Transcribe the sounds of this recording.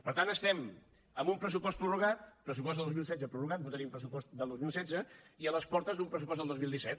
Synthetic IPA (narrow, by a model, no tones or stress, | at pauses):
pəɾt̪anəst̪ɛm | əmbumpɾəsupɔst̪pɾuruɣ̞at̪pɾəsupɔst̪lˠd̪ozmilˠsɛdd͡zəpɾuruɣat̪̚but̪əɾiumpɾəsupɔst̪d̪əlˠd̪ozmilˠsɛd͡zəiələspɔɾt̪əzd̪umpɾəsupɔz̬d̪əlˠd̪ozmilˠd̪isɛt̪̚